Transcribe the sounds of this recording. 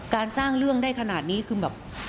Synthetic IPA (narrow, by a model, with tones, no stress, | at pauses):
kaː˧nsaː˥˩ŋɾɯ˥˩əŋdaː˥˩jkʰa˧naː˨˩t̪̚niː˦˥kʰɯː˧bɛː˨˩p̚